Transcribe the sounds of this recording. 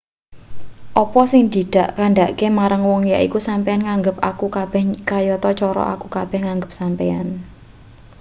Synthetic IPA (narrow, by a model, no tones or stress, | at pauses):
ʔɔpɔsɪŋd̪i̤d̪̥a̤ʔkaɳɖaʔkemaɾaŋwɔŋjaʔikusampeanŋaŋɡəpakukab̥ɛ̤hkajɔt̪ɔt͡ʃɔɾɔ̰ʔa̰kukab̥ɛ̤hŋaŋɡəp̚sampea̰n